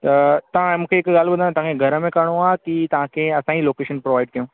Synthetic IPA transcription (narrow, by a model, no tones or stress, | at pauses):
t̪ɐt̪ɐʋ̤ãmũːkʰeɪkɡaːlbɐnant̪ɐʋãkʰeɡʱɐɾəmẽkaɽ̃oaːkit̪ɐʋ̤ãkʰeɐsãːiloːkeːʃənpɾoʋaːɪɖkɐjũː